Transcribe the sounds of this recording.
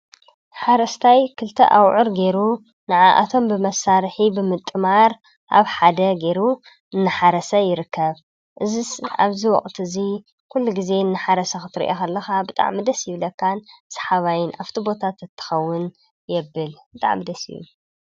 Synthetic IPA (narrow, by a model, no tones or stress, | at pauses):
ħaɾɐst̪ʰajkʰɨlt̪ʰɐ̰ʔawʕɨɾɡe̞ɾu | nɨʕaʔa̰t̪ʰo̞mbɨmɐsaɾħibɨmɨt̪ʼːɨmaɾ | ʔa̰βħad̪ɐɡe̞ɾu | ɨnːɨħaɾɐsɐjɪɾɨkʰːɐβ | ʔɨzisa̰βziwɔ̰χʼt̪ʰɨzi | kʰulːuɡize̞ɨnːɨħaɾɐsɐxɨt̪ʰɨɾḭʔokʰɐlːɐxabɨt̪ʼa̰ʕmid̪ɐsjɪβlɐkʰːansɐ̥ħaβajɪnʔaft̪ʰibo̞t̪ʰat̪ɨt̪ʰːɨ̥xɐwːʊn | jɛbːɨlbɨt̪ʼa̰ʕmːid̪ɐsḭjṵ